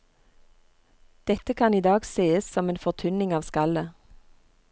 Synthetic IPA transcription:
d̪̥ɛt̪əkʰɑniːd̪ɑːɡseːəssɔmeːnfɔʁt̪ʰʉnɪŋɑːʋskɑlə

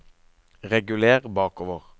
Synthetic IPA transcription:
ʁɛɡʉleːʁbɑːkoːʋəʁ

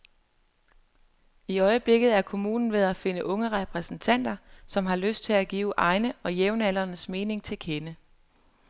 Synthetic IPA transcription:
iɒ̽ɪəb̥le̝ɡ̥ð̩ˠæɐkʰo̝muːnn̩ʋe̝ð̞ˠæfe̝nəʔɔ̽ŋəʁɛpʰʁɛsn̩t͡sʰæn̰d̥ɐsɒ̽mɦɑ̈løsd̥̚t͡sʰe̝æɡ̥ḭːʊʔɑ̈ɪnəɒ̽jeʊnæl̰ɐnəsme̝ːne̝ŋt͡sʰe̝lkʰenə

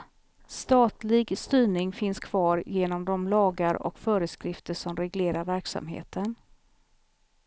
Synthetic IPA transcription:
st̪ɑːt̪lɪɡst̪yːɳɪŋfɪnskʰv̥ɑːɾjeːnɔmd̪ɔmlɑːɡaɾɔ̰kfœːɾəskɾɪft̪əʂɔmɾɛɡleːɾaɾvæɾksa̰mɦḛːt̪ən

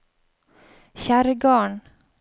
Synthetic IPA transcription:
çæːɾəɡɑːɳ

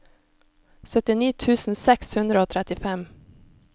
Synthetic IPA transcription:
sœt̪ɪniːt̪ʰʉːsn̩sɛkshʉnd̪ɾəoːt̪ʰɾɛt̪ɪfɛm

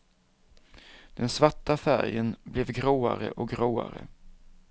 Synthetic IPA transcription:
d̪̥ɛnsvaʈːafæɾjənblɛvɡɾoːaɾəʔɔkɡɾoːa̰ɾə

